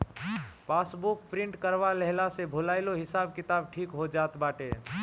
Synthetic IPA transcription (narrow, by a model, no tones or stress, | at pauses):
pasbuk̚pɾĩɳʈkəɾʋaləɦlasebʱulaɪloɦɪsabkit̪abʈʰikɦod͡ʒat̪baʈe